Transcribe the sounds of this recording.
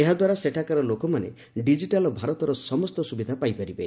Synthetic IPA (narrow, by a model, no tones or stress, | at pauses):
eɦad̪waɾaseʈʰakaɾɔlokɔmanḛ | ɖid͡ʒiʈalɔbʱaɾɔt̪ɔɾɔsɔmɔst̪ɔsubid̪ʱapajpaɾibe